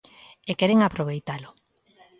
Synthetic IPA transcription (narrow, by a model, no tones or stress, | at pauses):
ekɛɾeŋapɾoβejt̪alʊ